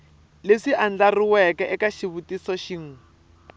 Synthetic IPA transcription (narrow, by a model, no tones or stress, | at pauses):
leʂiʔand͡ɮariwɛkɛʔɛkaʃiβutisɔʃiŋ̩